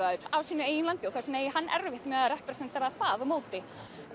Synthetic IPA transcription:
aðʏɾavsiːnʏeːjnlant̪ɪɔθasneːjɦanːʔɛ̰ɾvɪht̪mɛːɣðaɾɛhpɾɛsɛnt̪aɾaθaðɔmoːwt̪ɪ

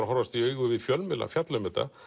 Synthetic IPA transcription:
ahɔɾvast̪iœːɥɣʏvɪðfjœlmɪla̰fjat̪lʏmɛt̪a̰

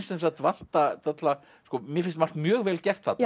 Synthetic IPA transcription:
sɛnms̬at̪van̥t̪at̪ʰat̪la | skɔmjɛɾfɪnsmar̥k̪mjœːɣvɛːlcɛr̥t̪θat̪

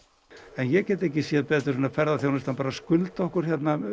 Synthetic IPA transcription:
ɛnjɛcɛːt̪ehcɪsɛːpɛːt̪ʏ̥ɾsɔːnafɛɾðaθjownɪst̪anpaːɾaskʏlt̪aɔhkʏɾ̥çjɛt̪na

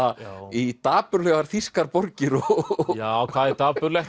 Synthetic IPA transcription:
ait̪aːpʏɾlœːɣaɾ̥θiskaɾpɔɾcɪɾɔjaːkʰv̥aːðɪt̪aːpʏɾlɛx

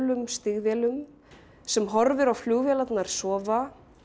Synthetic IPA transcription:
lʏmst̪ɪɣvjɛːlʏm | sɛmɦɔɾvɪɾawfljuːɣvjɛlat̪naɾ̥sɔːva

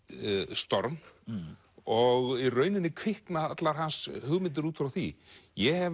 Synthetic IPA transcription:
st̪ɔɾn | ɔɣirœːɥnɪnːɪkʰvɪhknaðat̪laɾ̥ɦanshʏɣmɪnt̪̬ɪɾuːt̪fɾawθḭjɛhɛv

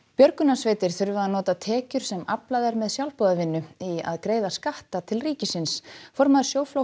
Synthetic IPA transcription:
pjœɾkʏnasveːjt̪ɪɾ̥θʏɾvɪðanɔːt̪at̪ʰɛːcʏɾ̥sɛmaplajðaɾmɛðsjawlpɔðavɪnːʏia̰ðkɾeːjðaskaht̪at̪ʰɪlriːcɪsɪnsfɔɾmaðʏ̥ɾsjoːwflo

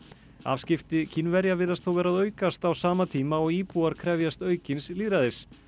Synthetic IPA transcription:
a̰ːvscɪft̪ɪcʰinvɛɾjavɪðast̪θowvɛːɾaðœːɥkast̪awsaːmat̪ʰiːmaɔɣiːpuaɾ̥kʰɾɛvjast̪œːɥcɪnsliːðɾaðɪs

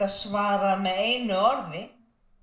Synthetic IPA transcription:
aðsvaːɾaðmɛðeːjnʏɔɾðɪ

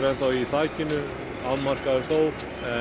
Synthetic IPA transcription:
ɾɛnθawiθaːjcɪnʏ | awmar̥kaðɾθoːw | ɛ

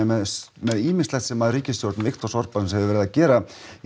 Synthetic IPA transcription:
mɛðmɛðiːmɪ̥slɛxt̪sɛmːaðriːcɪst̪joɾt̪nvɪxt̪ɔ̥sɔr̥pasɛmshɛvðɪvɛɾɪðacɛːɾa

